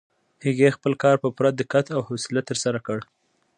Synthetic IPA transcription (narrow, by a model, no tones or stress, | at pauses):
hɪɡexpəlkɑɾpəpɾad̪əkat̪awhosɪlat̪əɾsaɾakəɽ